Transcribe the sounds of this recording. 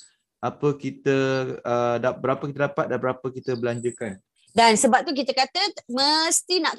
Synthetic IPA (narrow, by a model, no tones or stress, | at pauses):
apəkit̪əədabəɾapəkit̪ədapat̪̚danbəɾapəkit̪əbəlaɲd͡ʒukan | dansəbap̚t̪uk̬it̪əkat̪əməst̪inãʔ